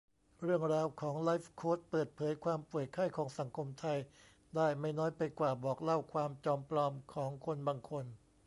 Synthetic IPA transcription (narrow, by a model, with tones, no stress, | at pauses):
ɾɯ˥˩əŋɾaː˧wkʰɔː˩˦ŋla˦˥fkʰoː˦˥t̪̚pɤː˨˩t̪̚pʰɤː˩˦jkʰwaː˧mpu˨˩ət̪̚kʰa˥˩jkʰɔː˩˦ŋsa˩˦ŋkʰo˧mt̪ʰa˧j | daː˥˩jma˥˩jnɔː˦˥jpa˧jkwaː˨˩bɔː˨˩k̚la˥˩wkʰwaː˧mt͡ɕɔː˧mplɔː˧mkʰɔː˩˦ŋkʰo˧nbaː˧ŋkʰo˧n